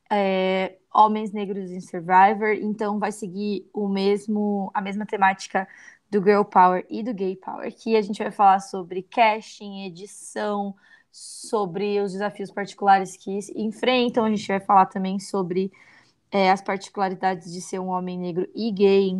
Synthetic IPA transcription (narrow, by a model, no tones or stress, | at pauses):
ɛ | õmẽj̃zneɡɾʊzẽsoɾvajveɾḛ̃nt̪ɐ̃w̃vajseɡiʊmezmʊɐmezmɐt̪emat͡ʃi̥kɐ | d̪ʊɡewpaweɾɪd̪ʊɡejpʰa̰wḛɾkɪaʒẽnt͡ʃɪvajfalaɾsobɾɪkɛʃĩed͡ʒisɐ̃w̃ | sobɾɪʊzd͡ʒɪzafiʊspaɾt͡ʃi̥kulaɾɪskɪzẽfɾẽnt̪ɐ̃w̃ɐʒẽnt͡ʃɪvajfalaɾt̪ɐ̃mbẽj̃sobɾɪ | ɛɐspaɾt͡ʃi̥kulaɾid̪ad͡ʒɪzd͡ʒɪseɾũõmẽj̃neɡɾʊʔɪɡej